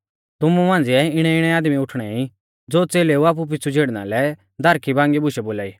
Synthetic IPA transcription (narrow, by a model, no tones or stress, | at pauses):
t̪ʊmũmãːnd͡ziɛɪɽ̃ɛɪɽ̃ɛaːd̪miʊʈʰɽ̃ɛi | d͡zoːt͡seːleuaːp̬up̬ɪt͡sʰud͡zʱeːɽna̰lɛ | d̪ʱɐɾkʰibãːŋɡibʊʃɛboːlaːḭː